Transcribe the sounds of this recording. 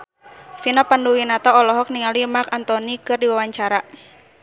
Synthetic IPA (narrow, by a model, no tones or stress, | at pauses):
finapanduwinat̪aɔlɔɦɔk̚niŋalimakant̪ɔnikɨrdiwawaɲt͡ʃaɾa